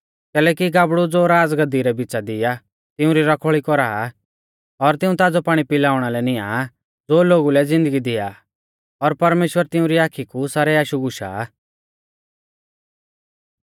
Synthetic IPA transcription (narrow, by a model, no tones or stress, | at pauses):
kɛːlɛːkiɡaːbɽud͡zoːɾaːd͡zɡɐd̪iɾɛbit͡sad̪ɪja | t̪ɪũɾiɾɐkʰɔɭikɔɾaː | ɔɾt̪ɪ̃ũt̪aːd͡zɔpaːɽ̃ipɪlaːʊɽ̃alɛnɪja̰ | d͡zoːloːɡulɛd͡zɪ̃nd̪əɡid̪ɪja̰ | ɔɾpɐɾmeːʃwəɾt̪ɪ̃ũɾiaːkʰikusaːɾɛaːʃuɡʊʃa̰